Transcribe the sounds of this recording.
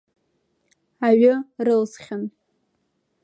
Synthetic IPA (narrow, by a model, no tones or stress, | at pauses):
aɥʊrɨlzχʲɪn